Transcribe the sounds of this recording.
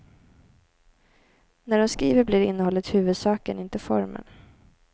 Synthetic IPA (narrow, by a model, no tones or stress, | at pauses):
næɖɔmskɾiːvəɾblɪɾɪnːəhɔlːət̪hʉ̟ːvɵd̪sɑːkənɪnt̪əfɔ̰ɾmə̰n